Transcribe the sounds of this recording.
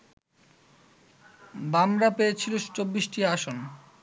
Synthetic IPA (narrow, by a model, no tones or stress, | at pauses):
bamɾapejet͡ɕʰilot͡ɕobːiʃʈiaʃon